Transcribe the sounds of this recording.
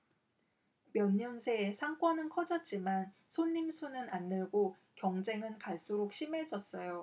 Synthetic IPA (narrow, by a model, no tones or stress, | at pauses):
mjʌɲːʌnsʰe̞sʰaŋk͈wʌnɯnkʰʌd͡ʑʌt̚t͡ɕ͈iman | sʰonːimsʰunɯnanːɯɭɡo | kjʌŋd͡ʑe̞ŋɯnkaɭs͈uɾok̚ɕʰime̞d͡ʑʌs͈ʌjo